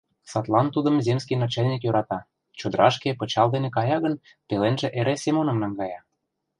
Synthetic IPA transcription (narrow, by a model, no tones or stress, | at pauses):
sɑt̪lɑnt̪ud̪ə̆mzemskijnɑt͡ɕelʲnʲikjøɾɑt̪ɑ | t͡ɕod̪ə̆ɾʔɑʃkepɤ̆t͡ɕɑld̪enekɑjɑɣən | pelenʒĕʔeɾʔesemonɤmnɑŋɡɑjɑ